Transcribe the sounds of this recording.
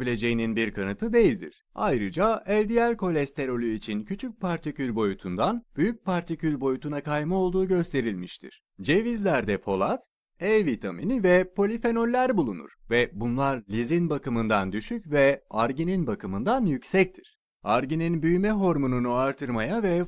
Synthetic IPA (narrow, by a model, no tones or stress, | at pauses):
bilʲe̞d͡ʒe̞jininbiɾkʰanɯt̪ʰɯd̪e̞jilʲd̪ḭɾ̥ajɾɯd͡ʒaɛlʲd̪ijælʲkʰo̞lʲɛst̪ʰe̞ɾo̞lʲyit͡ʃʰincʰyt͡ʃʰyc̚pʰaɾt̪ʰicylʲbo̞jut̪ʰund̪anb̥yjyc̚paɾt̪ʰicylʲbo̞jut̪ʰunakʰajmɯo̞lˠd̪uːɟø̞st̪ʰe̞ɾilʲmiʃt̪ʰḭɾ̥ | d͡ʒe̞vizlʲæɾd̪ɛpʰo̞lˠat̪ | ɛvit̪ʰaminivɛpʰo̞lʲife̞no̞lʲːæɾbulˠunṵɾ̥vɛbunlˠaɾlʲizinbakɯmɯnd̪and̪yʃycvɛaɾɟininbakɯmɯnd̪anjycsɛc̚t̪ʰiɾ̥ | aɾɟininbyjmɛɦo̞ɾmonunuaɾt̪ʰɯɾmajavɛ